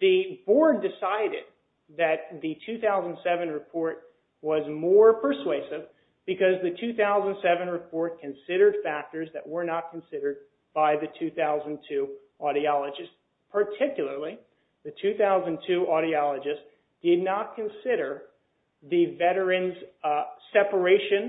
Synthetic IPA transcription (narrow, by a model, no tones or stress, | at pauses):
ðɨbɔɹdɨsaɪɾɪ̰d̪̚ | ðɨt̪̚ðɨtʰʉθaʊzə̃n̩d̥sɛvɨ̃nɹɨpʰɔɹt̚ | wʌzmɔɹpʰə˞sweɪsɪv | bɨkʌzðɨtʰʉθaʊzə̃n̩d̥sɛvɨ̃nɹɨpʰɔɹt̚kʰɨ̃nsɪɾə˞d̥fæk̚tə˞zðɨʔ̚wə˞nət̚kʰɨ̃n̩sɪɾə˞d̚ | b̥aɪðɨtʰʉθaʊzɨ̃ntʰʉ | ʔɔɾiɑlˠəd͡ʒɨst | pʰə˞tʰɪkjl̩ˠə˞lˠi | ðɨtʰʉθaʊzɨ̃ntʰʉʔɔɾiɑlˠəd͡ʒɨst | d̥ɪdⁿnət̚kʰɨ̃nsɪɾə˞ | ðɨvɛɾə˞ɨ̃nz̥sɛpə˞eɪʃɨ̃n